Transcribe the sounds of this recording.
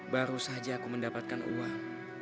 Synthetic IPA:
baɾusaɦad͡ʒaːkuməndapat̪̚kanʔṵaŋ

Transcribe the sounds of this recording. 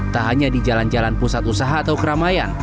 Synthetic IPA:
t̪aɦaɲadid͡ʒaland͡ʒalanpusat̪usaɦaːt̪awkəɾamajan

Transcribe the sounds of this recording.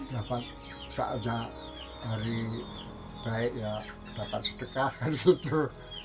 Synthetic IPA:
d̪̥apat̪̚ | sa̰ʔa̰ɲa | d̪̥aɾi | b̥aɪʔja | d̪̥apat̪̚sə̥t̪əkahkarɡit̪u

